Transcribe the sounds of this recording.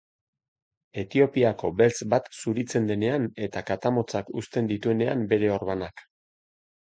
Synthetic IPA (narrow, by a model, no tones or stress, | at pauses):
e̞t̪io̞piako̞be̞lt͡sbat̪suɾit͡se̞nd̪e̞ne̞ane̞t̪akat̪amo̞t͡sakust̪e̞nd̪it̪ue̞ne̞a̰mbe̞ɾe̞o̞ɾβanak